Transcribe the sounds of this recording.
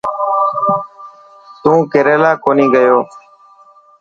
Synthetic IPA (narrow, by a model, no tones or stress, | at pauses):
t̪ũːkɪɾeːlaːkoːniːɡəjoː